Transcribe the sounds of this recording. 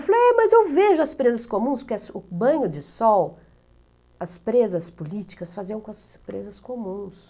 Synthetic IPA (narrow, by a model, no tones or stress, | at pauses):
falowɛmɐzewveʒʊɐspɾezɐskomũspʊɾkɐsʊbɐ̃ɲʊd͡ʒɪsɔw | ɐspɾezɐspʊlit͡ʃi̥kɐsfaziɐ̃w̃kõɐspɾezɐskomũs